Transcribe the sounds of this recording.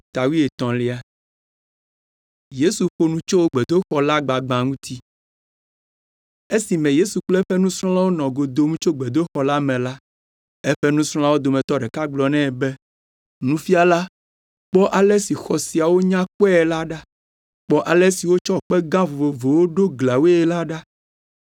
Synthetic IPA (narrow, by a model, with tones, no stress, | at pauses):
t̪a˨wi˦e˨t̪ɔ̃˨li˨a˨ | je˦su˨ɸo˦nũ˦t͡ʃo˦wo˦ɡ͡bɛ˨d̪o˦xɔ˨la˦ɡ͡ba˨ɡ͡bã˨ŋũ˦t̪ʰi˦ | e˦si˨mɛ̃˨je˦su˨k͡plɛ˦ɸɛ˦nũ˦sɾ̃ɔ̃˦la˦wo˦nɔ̃˨ɡo˨d̪o˨mũ˦t͡ʃo˦ɡ͡be˨d̪o˦xɔ˨la˦mɛ̃˨la˦ | e˦ɸɛ˦nũ˦sɾ̃ɔ̃˦la˦wo˦d̪o˨mɛ̃˨t̪ɔ˦ɖɛ˨ka˦ɡ͡blɔ˨nɛ̃˦˨bɛ˦ | nũ˦fi˦a˨la˦ | k͡pɔ˦ʔa˨lɛ˦si˨xɔ˨si˨a˨wo˦ɲã˦k͡pɛ˦ɛ˨la˦ɖa˦ | k͡pɔ˦ʔa˨lɛ˦si˨wo˦t͡ʃɔ˦k͡pɛ˦ɡã˦vo˨vo˨vo˨wo˦ɖo˦ɡla˨we˦e˦la˦ɖa˦